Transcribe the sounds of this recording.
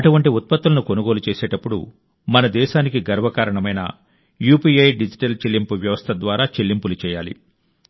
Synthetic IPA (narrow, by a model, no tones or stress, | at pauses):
ɐʈuʋɐɳʈiut̪̚pɐt̪ːulɐnuko̞nuɡo̞ːlut͡ʃeːsɛːʈɐpːuɽṵ | mɐnɐd̪ɛːʃaːnikiɡɐɾʋɐkaːɾɐɳɐmɐjnɐ̰ | juːpiːɐjɖid͡ʒiʈɐlt͡ʃelːimpuʋjɐʋɐst̪ʰɐd̪ʋaːɾaːt͡ʃelːimpulut͡ʃɛːjaːlḭ